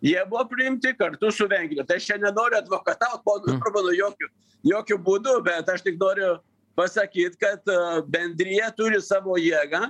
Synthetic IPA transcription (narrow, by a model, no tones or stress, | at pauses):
jɛbɔpɾimt̪ikəɾt̪usuvɛŋɡɾɛt̪ɛʃɛnanɔɾjat̪vɔkat̪ak̚bɔnpəɾbɔnɔjɔku | jɔkubund̪upɛt̪aʃt̪ik̚nɔɾjɔ | pasakit̪̚kat̪bɛnd̪ɾijat̪uɾjəsabɔjɛɡa